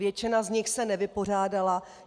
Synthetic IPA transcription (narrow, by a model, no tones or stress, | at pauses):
jɛt͡ʃɪnazɲɪxsɛnɛvɪpo̞r̝aːdala